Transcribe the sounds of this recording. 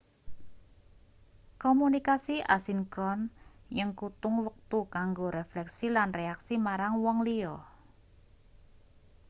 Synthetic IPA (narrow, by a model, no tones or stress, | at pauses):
komunikasiʔa̰sinkɾɔnjəŋkut̪ʊŋwək̚t̪ukaŋɡoɾeflɛksilanreaksimaɾaŋwɔŋliɔ